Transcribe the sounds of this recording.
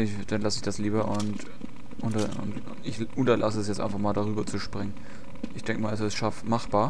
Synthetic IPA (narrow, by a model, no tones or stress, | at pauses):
ɪ | d̥anlasəɪçd̥asliːbɐʔʊnt | ʔʊntɐʊ̰nt | ɪç | ʔʊntɐlʔasəɛsjɛt͡stʔa̰ɪnfaχmaːldaʁyːbɐt͡suʃpʁ̥ɪŋən | ʔɪçd̥ɛŋkəmaːlɛsɪstʃaftmaχb̥aːɐ